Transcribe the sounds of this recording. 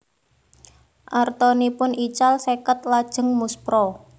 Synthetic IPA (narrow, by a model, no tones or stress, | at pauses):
ʔart̪ɔnipʊnit͡ʃalsekət̪̚lad̥ʒ̥ə̤ŋmuspɾɔ